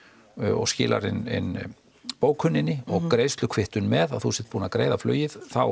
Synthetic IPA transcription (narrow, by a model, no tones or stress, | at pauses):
ɔ̰ɣscɪːlʔa̰ɾɪnɪ̰n | poːwkʰʏnːɪnːɪɔɣkkɾejst̪lʏkʰvɪht̪ʏnmɛða̰ðθusɛt̪̚puːnakɾeːjðaflœ̰ːjɪðθaw